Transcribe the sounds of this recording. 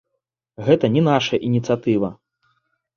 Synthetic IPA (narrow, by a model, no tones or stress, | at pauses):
ɣɛt̪ɐnʲɛnaʂɐʔinʲit̪sɨjat̪ɨvɐ